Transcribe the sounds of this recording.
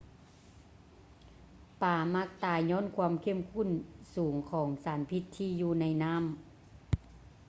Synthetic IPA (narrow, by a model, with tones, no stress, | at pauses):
paː˨˩ma˧˥k̚t̪aː˨˩jɲɔː˧˥˨nkʰwaː˧˨mkʰe˧˥˨mkʰu˧˥˨nsuː˨˩˦ŋkʰɔː˩˦ŋsaː˨˩˦npʰi˧˥t̪ʰːiː˧˨juː˧na˧jnaː˧˥˨m